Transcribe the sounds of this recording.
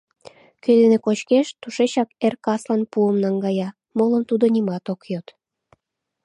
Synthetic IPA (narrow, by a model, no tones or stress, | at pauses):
kød̪enekot͡ɕkeʃt̪uʃet͡ɕɑkerkɑslɑnpuəmnɑŋɡɑjɑ | moləmt̪ud̪onʲimɑt̪okjot̪